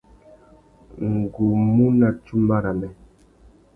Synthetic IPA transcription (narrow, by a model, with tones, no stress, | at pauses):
ŋ̩˨ɡu˨mu˦na˨t͡ʃu˦m˦ba˦ɾa˨mɛ˨